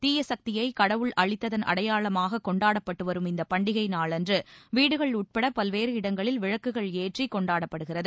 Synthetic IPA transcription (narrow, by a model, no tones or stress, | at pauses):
t̪iːjɐsɐk̚t̪ɪjɐɪkɐɽɐʋɯɭʔɐɻɪt̪ːɐðɐnɐ̰ɽɐjaːɭɐmaːɣɐkːɔɳɖaːɽɐpːɐʈːɯʋɐɾɯmɪnd̪ɐpɐɳɖɪɣɐɪnaːɭɛndrɯʋiːɽɯɣɐɭʊʈ̚pɐɽɐpɐlʋeːɾɯɪɽɐŋɡɐɭɪlʋɪɻɐkːɯɣɐɭeːʈrikɔɳɖaːɽɐpːɐɽɯɣɪrɐðɯ